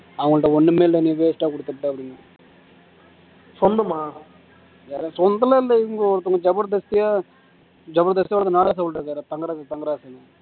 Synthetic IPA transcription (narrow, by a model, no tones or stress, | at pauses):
ɐʋɐŋɡɐɭʈːɐɔnːɯmeːllɐniŋɡɐʋeːsʈːaːkɔɽɯt̪ːɯʈːɯɐpːɽɪnː | sɔnd̪ɐmaː | ja̰ːɾesɔnd̪ɐlɐɪlːɐɪŋɡoɾɐt̪ːʊŋɡɐd͡ʒɐbɐɾd̪ɐst̪ɪjaː | d͡ʒɐbɐɾd̪ɐst̪ijaʋɔɽɐt̪ːɯnaːlaːs̬ɐbɐɭʈɾɯkːaːɾt̪ɐŋɡɐɾaːst̪ɐŋɡɐɾaːsɐlːɐ